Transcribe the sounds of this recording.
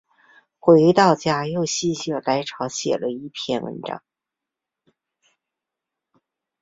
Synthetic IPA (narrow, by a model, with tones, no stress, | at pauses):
xwe˧˥ɪt̪ɑ˥˩ʊt͡ɕja˧˥˩jo˥˧ʊɕi˥˧ɕjɤ˥˩la˧˥ɪʈ͡ʂʰɑ˧˥ʊɕjɛ̰˨˩lə˦i˥˩pʰjɛ˥˩nwə̰˧˥nʈ͡ʂɑ̰˨˩˦ŋ